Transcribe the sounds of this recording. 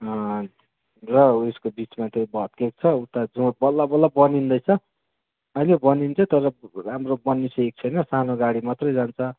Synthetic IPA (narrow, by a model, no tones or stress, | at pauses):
ʌ | rʌeskobit͡smat̪ʰebʱʌt̪̚kek̚t͡sʰʌut̪ad͡zũbʌlːabʌlːabʌnind̪ʌjt͡sʰʌ | ʌilebʌnint͡sʰʌt̪ʌɾʌramrobʌnːisek̚t͡sʰʌjnʌsanoɡaɽimat̪rʌjd͡zant͡sʰʌ